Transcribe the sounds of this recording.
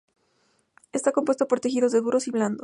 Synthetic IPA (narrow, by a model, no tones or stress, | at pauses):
est̪akompwest̪o̞po̞ɾt̪exiðo̞zðe̞ðuɾo̞siβland̪o